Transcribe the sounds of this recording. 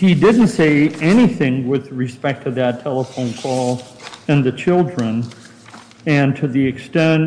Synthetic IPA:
hidɪdⁿn̩tseɪɛniθɪ̃ŋwɪðɹɨspɛk̚tʰɨðɨtʰɛlˠəfõʊ̃nkʰɔlˠɨ̃nðɨt͡ʃʰɪlˠdɹɨ̃n | ɨ̃ntʰɨðiɨkstɛ̃n

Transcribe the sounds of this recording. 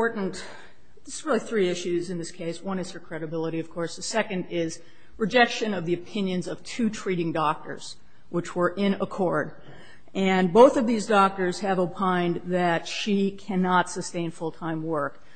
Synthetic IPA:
ɔɹʔn̩t | ðɪsɹɪlˠiθɹiɪʃʉzɨ̃nðɪskʰeɪswʌ̃nɨz̥ə˞kʰɹ̥ɛɾɨbɪlˠəɾiʌv̥kʰɔɹsðɨsɛkɨ̃ndɪz̥ | ɹɨd͡ʒɛkʃɨ̃nʌvðiɨpʰɪ̃njɨ̃nzʌv̥tʰʉtʰɹ̥iɾɪ̃ŋdɔk̚tə̰˞z̥ | wɨt͡ʃwə˞ʔɪ̃nəkʰɔɹd | ʔɨ̃nboʊθʌvðizdɔk̚tə˞z̥ɨvopʰãɪ̃nðɨtʃikʰænɑtsɨstẽɪ̃nfʊlˠtʰãɪ̃mwɜ˞k

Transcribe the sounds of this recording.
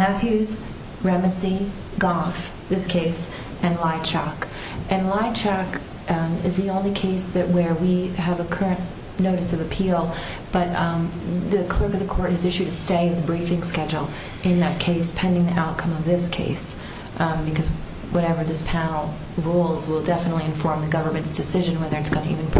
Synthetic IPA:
mæθjʉz̥ | ɹɛmɨsi | ɡɑf | ðɪskʰeɪs | ʔɨ̃nlaɪt͡ʃʰɑk | ʔɨ̃nlaɪt͡ʃʰɑk | ɨzðiõʊ̃nlikʰeɪsðɨʔ̚wə˞wiɨvəkʰɜ˞ɨ̃n | noʊɾɨsʌvɨpʰilˠ | b̥ʌt̚ | ðɨkʰl̥ɜ˞kʌvðɨkʰɔɹɾ̚hɨzɪʃʉɾɨsteɪðbɹifɪ̃ŋskɛd͡ʒl̩ˠ | ʔɨ̃nðɨt̚kʰeɪspʰɛ̃ndɪ̃ŋðiʔaʊt̚kʰʌ̃mʌvðɪskʰḛɪs | bɨkʰʌz | wʌɾɛvə˞ðɪspʰænl̩ˠ | ɹulˠzwɪlˠdɛfənətˡliɨ̃ɱfɔɹmðɨɡʌvə˞mɨ̃ntsd̥ɨsɪʒɨ̃nwɛðə˞ɨtsɡ̥ʌnɨʔḭvɨ̃np

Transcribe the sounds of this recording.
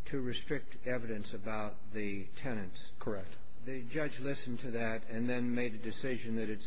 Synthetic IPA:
tʰɨɹɨstɹ̥ɪk̚t | ɛvɨɾɨ̃nsɨbaʊt̪̚ðɨ | tʰɛnɨ̃ntskʰə˞ɛk̚t̚ | ðɨd͡ʒʌd͡ʒlɪsn̩tʰɨðɨɾɨ̃nðɨ̃nmeɪɾɨdɨsɪʒɨ̃nðɨɾɨts

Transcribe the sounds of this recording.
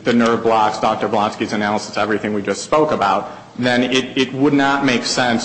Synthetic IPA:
ðɨnɜ˞blɑksd̥ɑk̚tə˞blɑ̃nskizɨnælˠəsəsɛvɹiθɪ̃ŋwid͡ʒʌstspoʊkəbaʊt̪̚ | ðɨ̃nɪɾɪt̚wədⁿnət̚meɪksɛ̃ns

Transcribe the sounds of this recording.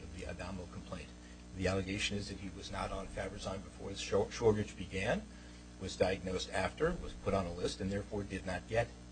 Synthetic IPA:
ʌvðiʔɨ̰dæ̃ml̩ˠkʰm̩pʰl̥ẽɪ̃n | ðiælˠəɡeɪʃɨ̃nɨzðɨt̚hiwʌznəɾn̩fæbɨzãɪ̃nbɨfɔɹɨz̥ʃɔɹɡɨt͡ʃb̥ɨɡæ̃n | wʌzdaɪɨɡ̚noʊstʰæftə˞wʌz̥pʰʊɾn̩əlɪstɨ̃nðɛɹfɔɹdɨdⁿnət̚ɡ̥ɛt̚

